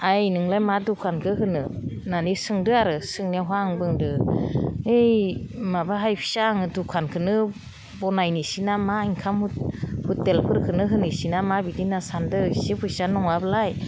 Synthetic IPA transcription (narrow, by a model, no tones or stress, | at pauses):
ajnɯŋlajmadukʰankʰɯɦɯnɯnanisɯŋdɯaɾɯsɯŋniaɦwaŋbɯŋdɯ | ejmabaɦajpʰi̥saŋɯdukʰankʰɯnɯ | bɔnajnisinamaiŋkʰamhut̚hutːelpʰɯɾkʰɯnɯɦɯnisinamabidinasandɯsipʰujsanɔŋablaj